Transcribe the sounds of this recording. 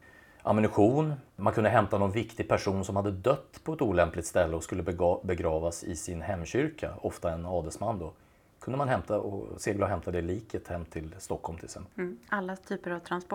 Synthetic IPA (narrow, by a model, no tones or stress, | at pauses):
ʔa̰mɪnɪɧuːnmankʰɵnd̪əɦɛmt̪anɔnvɪkt̪ɪɡ̚pʰæʂuːnsɔmhad̪ːəd̪œt̪ːpʰɔɛt̪uːlɛmplɪt̪st̪ɛlːəɔskɵlːəbɛɡɾɑːvasɪsɪnhɛmːɕʏɾkʰa̰ɔft̪aɛnɑːd̪ɛsmanːd̪ɔ | kʰɵnd̪əmanɦɛmt̪aɔ̰seːɡlaɦɛmt̪ʰad̪ɛliːkʰət̪hɛmːt̪ʰɪlst̪ɔkhɔlmt̪ʰɪlsɛmalːat̪ʰyːpəɾavt̪ʰɾanspɔ